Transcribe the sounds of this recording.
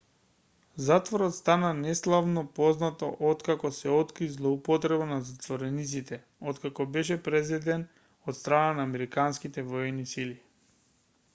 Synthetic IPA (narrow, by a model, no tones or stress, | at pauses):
zat̪vɔɾɔt̪st̪ananɛslˠavnɔpɔznat̪ɔ̰ʔɔt̪kakɔsɛɔt̪kɾizlˠɔupɔt̪ɾɛbanazat̪vɔɾɛnit̪sit̪ɛ | ot̪kakɔbɛʃ̬ɛpɾɛzɛd̪ɛn | ɔt̪st̪ɾananaːmɛɾikanskit̪ɛvɔjɛnːisili